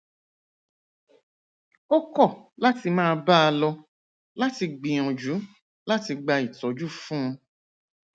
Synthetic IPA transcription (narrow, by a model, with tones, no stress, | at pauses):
o˦kɔ˦˨la˦ti˧mãː˦˧ba˦a˧lɔ˧ | la˦ti˧ɡ͡bĩ˨ɔ̃˨d͡ʒu˨˦ | la˦ti˧ɡ͡ba˧i˨tɔ˨˦d͡ʒu˦fũ˦ũ˧